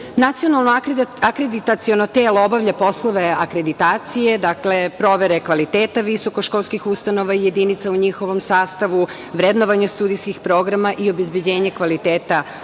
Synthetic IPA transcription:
nat̪sio̞nalˠnoakɾed̪it̪at̪sionot̪eːloobaʋʎapo̞slˠo̞ʋe̞akɾe̞d̪it̪aːt̪sije̞d̪akle̞pɾo̞ʋe̞ɾe̞kʋalit̪eːt̪aʋiso̞koʃkolˠskixust̪ano̞ʋaije̞d̪init̪sauɲixo̞ʋo̞msaːst̪aʋu | ʋɾed̪noʋaɲast̪uːd̪ijskixpɾo̞ɡɾamaʔio̞be̞zbe̞d͡ʑe̞ːɲekʋalit̪eːt̪a

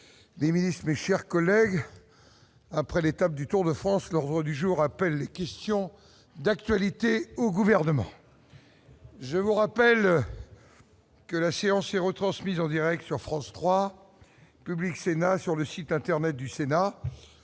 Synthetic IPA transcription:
leminist̪χmeʃɛʁkɔlɛɡ | apχɛlet̪ap̚d̪yt̪uʁd̪əfχɑ̃slɔʁd̪ʁəd̪yʒuʁapɛlːekʲɛst̪jɔ̃ | d̪ak̚t̪ɥalit̪eoɡuvɛʁnəmɑ̰̃ | ʒəvuʁapɛl | kəlaseɑ̃sɛʁət̪χɑ̃smizɑ̃d̪iʁɛk̚t̪syʁfχɑ̃st̪χwa | pybliksenasyʁləsit̪ɛ̃t̪ɛʁnɛt̪̚d̪ysena

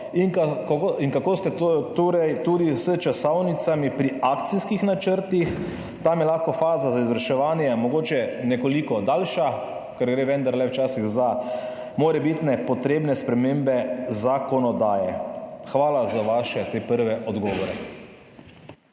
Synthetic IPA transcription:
inkakiŋkakoːst̪ɛt̪ot̪oɾɛjt̪ud̪isət͡ʃasɔwnit̪samipɾiakt̪siskixnat͡ʃəɾt̪ix | t̪amjɛlaxkɔfaːzazaizʋɾʃɛʋaːnjɛmɔɡoːt͡ʃɛnɛkɔlikɔd̪aːlʃa | kɛɾɡɾeːʋɛnd̪aɾlɛwt͡ʃaːsiɣza | moːɾɛbit̪nɛpɔt̪ɾeːbnɛspɾɛmeːmbɛzakɔnɔd̪aːjɛxʋaːlazaʋaːʃɛt̪eːpəɾʋɛʔɔd̪ɡɔːʋɔɾɛ

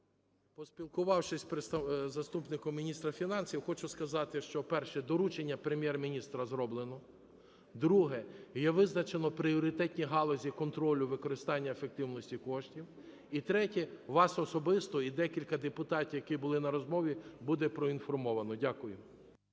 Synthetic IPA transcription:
pɔsʲpʲilˠkʊʋɑwʃɪsʲpɾɪst̪ɐzɐst̪upnɪkɔmʲinʲist̪ɾɐfʲinɑnsʲiwxɔt͡ʃʊskɐzɑt̪ɪʃt͡ʃɔpɛrʃɛd̪ɔɾut͡ʃenʲːɐpɾemʲjɛrmʲinʲist̪ɾɐzɾɔblˠenɔ | d̪ɾuɦɛjɛʋɪznɐt͡ʃenɔpɾiɔɾʲɪt̪ɛtʲnʲiɦɑlˠɔzʲikɔnt̪ɾɔlʲʊʋɪkɔɾɪst̪ɑnʲːɐefek̚t̪ɪwnɔsʲtʲikɔʃtʲiw | it̪ɾɛtʲɛʋɑsɔsɔbɪst̪ɔid̪ɛkʲilʲkɐd̪epʊt̪ɑtʲjɐkibʊlˠɪnɐɾɔzmɔʋʲibud̪ɛpɾɔinfɔrmɔʋɐnɔdʲakʊjʊ

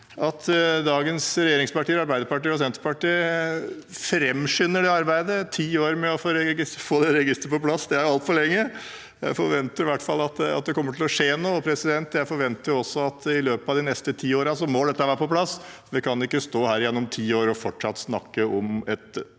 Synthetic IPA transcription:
ʔɑt̪ʰd̪ɑːɡənsɾɛjeːɾɪŋspɑʈiːəɾɑɾbæɪd̪əɾpɑʈiːɔs̬ɛnt̪ə̥pɑʈiː | fɾɛmːʂʏnːəɖɛɑɾbæɪd̪ət̪ʰiːoːɾmɛɔfoːɾɛɡɪfoːd̪ɛɾɛɡɪst̪ɾəpɔpʰlɑsːd̪ɛæɾʊɑlt̪fɔɭɛŋːə | jæ̰ɪfɔɾʋɛnt̪əɾɪʋæʈːfɑlːɑt̪̚d̪ɛɑ̰t̪̚d̪ɛkɔmːəʈʰɪlɔʂeːnɔːpʰɾɛsɪd̪ɛnt̪jæɪfɔɾʋɛnt̪əɾjʊɔsːɔɑt̪ɪløːpəɑʋd̪ɪnɛst̪ət̪ʰiːoːɾɑsɔmɔd̪ɛt̪ːəhɑʋæːɾəpɔpʰlɑs | ʋɪkʰɑnɪkːəst̪oːhæːɾjɛnːɔmt̪ʰiːoːɾɔfɔʈʂɑt̪ːsnɑ̰kːəɔmɛt̪

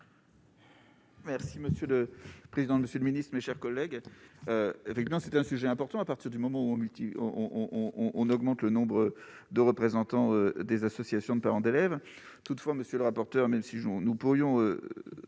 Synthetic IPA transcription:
mɛʁsiməsjøləpχezid̪ɑ̃məsjøləminist̪χmeʃɛʁkɔlːɛɡøefɛkt̪ivmɑ̃sɛt̪ɛ̃syʒɛɛ̃pɔʁt̪ɑ̃apaʁt̪iʁd̪ymɔmɑ̃uɔ̃mylt̪iɔ̃ʔɔ̃ɔ̃ʔɔ̃nɔɡmɑ̃t̪lənɔ̃bʁəd̪əʁəpχezɑ̃t̪ɑ̃ød̪ezasɔsjasjɔ̃d̪əpaʁɑ̃d̪elɛv | t̪ut̪fwaməsjøləʁapɔʁt̪œʁmɛmsinunupuʁjɔ̃ø̰

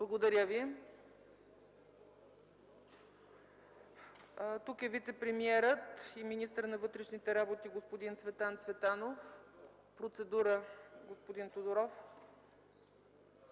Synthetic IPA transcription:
blˠɐɡod̪ɐɾʲəvi | t̪ukɛvit̪sɛpɾɛmiɛɾət̪iminist̪əɾnɐvɤt̪ɾɛʃnit̪ɛɾabot̪iɡospod̪int̪svɛt̪ant̪svɛt̪anof | pɾot̪sɛd̪uɾəɡospod̪int̪od̪oɾɔf

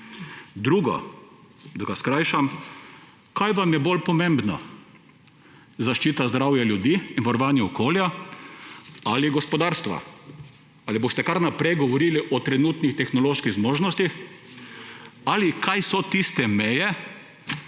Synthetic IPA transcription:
d̪ɾuːɡɔ̰ | d̪ɔɡaskɾajʃam | kajʋamjɛbolpɔmẽmbnɔ̰ | zaʃt͡ʃiːt̪azd̪ɾawjaljud̪iːinʋaɾɔʋaːnjɛɔkoːlja | aliɡɔspɔd̪aːɾst̪ʋa̰ | alibost̪ɛkaɾnapɾɛjɡɔʋɔɾiːliʔɔt̪ɾɛnuːt̪nixt̪ɛxnɔloːʃkiɣzmoːʒnɔst̪ix | alikajsɔt̪ist̪ɛmɛjɛ

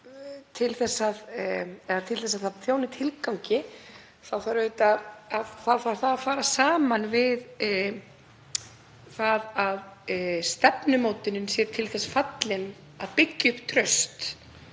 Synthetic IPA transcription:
t̪ʰɪlθɛsːaðɛðat̪ʰɪlθɛs̬aθaθjownɪt̪ʰɪlkawɲcɪ | θawfaɾœɥt̪aðaðθawfaɾ̥θaðafaːɾasaːmanvɪð | θaðaðst̪ɛpnʏmoːwt̪ɪnʏnsjɛɾt̪ʰɪlθɛsfat̪lɪn | aðpɪcːʏpt̪ʰɾœɥst̪

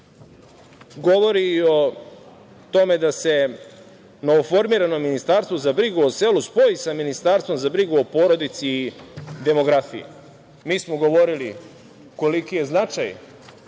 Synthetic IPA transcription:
ɡo̞ʋo̞ɾiːo̞ | t̪o̞me̞d̪ase̞ | no̞ʋofo̞ɾmiɾano̞minist̪aːɾst̪vozabɾiɡuoseːluspo̞isaminist̪aːɾst̪o̞mzabɾiɡuopoɾo̞d̪it̪siːd̪e̞mo̞ɡɾafḭjḛ | miːsmoɡo̞ʋo̞ɾili | ko̞likije̞znat͡ʃaj

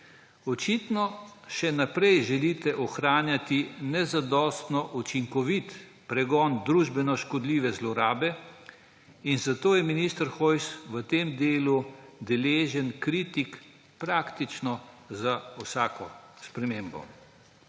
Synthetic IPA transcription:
ɔt͡ʃit̪nɔʃɛnapɾɛjʒɛlit̪ɛʔɔxɾaːnjat̪inɛzad̪ɔːst̪nɔʔut͡ʃiŋkɔʋit̪ | pɾɛɡɔːnd̪ɾuːʒbɛnɔʃkɔd̪liːʋɛzlɔɾaːbɛ | inzat̪oːjɛminist̪əɾxojsʋət̪eːmd̪eːlud̪ɛleːʒənkɾit̪ik | pɾaːkt̪it͡ʃnɔzawsaːkɔspɾɛmeːmbɔ̰

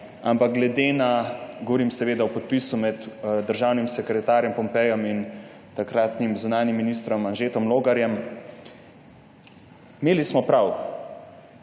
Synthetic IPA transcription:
a̰mpaɡ̚ɡlɛd̪eːnaɡɔʋɔɾiːmsɛʋeːd̪awpɔt̪̚pisumɛt̪d̪əɾʒaːwnimsɛkɾɛt̪aːɾjɛmpɔmpɛjɔmin | t̪akɾaːt̪nimzunaːnimːinist̪ɾɔmanʒeːt̪ɔmloːɡaɾjɛm | meːlismɔpɾaw

